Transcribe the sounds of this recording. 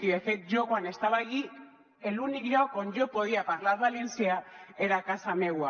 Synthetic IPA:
iβefet̪d͡ʒokoane̞st̪aβaɣi | elunikʝokoɲd͡ʒopo̞ð̞iapaɾlaɾβale̞nsiaeɾakasameɣwa

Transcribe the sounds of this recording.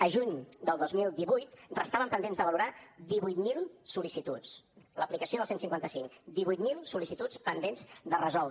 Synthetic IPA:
əʒuɲd̪əlˠd̪ozmilˠd̪iβujt̪rəst̪aβəmpənd̪enzd̪əβəluɾad̪iβujt̪milˠsulisit̪ut͡sləplikəsioðəlˠsensiŋkwant̪əsiŋd̪iβujt̪milˠsulisit̪utspənd̪enzd̪ərəzɔlˠ

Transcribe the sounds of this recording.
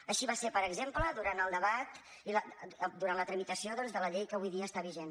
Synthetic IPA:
əʃiβasepəɾəɡzempləðuɾant̪əlˠd̪əβat̪ | iləd̪uɾantlət̪ɾəmit̪əsioðɔnzðələʎejkəβujðiəːst̪aβiʒen

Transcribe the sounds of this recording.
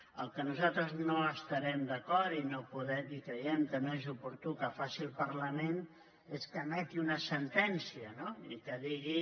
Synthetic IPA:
əlˠkənuzat̪ɾəznoəst̪əɾɛmd̪əkɔɾinopuðɛikɾəjɛmk̪ənoezupuɾt̪ukəfasilˠpəɾləmen | eskəmɛt̪iunəsənt̪ɛnsiənoikəðiɣi

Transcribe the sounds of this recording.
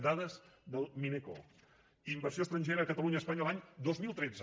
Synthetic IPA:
d̪aðəzd̪əlˠmineko̰ | imbərsioəst̪ɾəɲʲʒeɾəːkət̪əluɲəːspaɲəlaɲd̪ozmilˠt̪ɾed͡zə

